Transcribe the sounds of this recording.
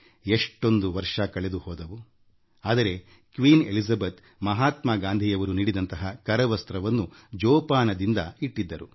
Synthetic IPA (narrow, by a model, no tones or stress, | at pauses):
eʂʈo̞nd̪uʋɐɾʂɐkɐɭed̪uhɔːd̪ɐʋu | aːd̪ɐɾe̞ | kʋiːne̞lizɐbet̪ | mɐɦaːt̪maːɡaːnd̪ʱijɐʋɐɾuniːɽid̪ɐnt̪ɐɦɐkɐɾɐʋɐst̪ɾɐʋɐnːud͡ʒɔːpaːnɐd̪ind̪ɐiʈːid̪ːɐɾu